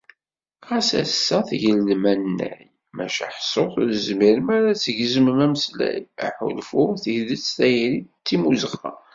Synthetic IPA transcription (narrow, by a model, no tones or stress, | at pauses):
ʁæsæ̰sːæθʝəlːmænːæ̰j | mæʃa̰ħsˤːoθˤðəzmiɾəmæɾæt͡sːəʝəzəməmæməslæ̰jæ̰ħṵlfuθihðət͡sːθæjɾit͡s̪ːimuzəχæ̰